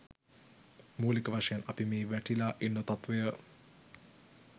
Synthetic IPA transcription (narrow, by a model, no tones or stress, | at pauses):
muːlikəʋaʂɐjanɐpimeːʋæʈilaʔinːət̪at̪ʋejə